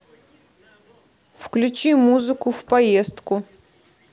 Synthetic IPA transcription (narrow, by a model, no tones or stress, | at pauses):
fklʲʊt͡ɕimuzɨkʊfpɐjest̪kʊ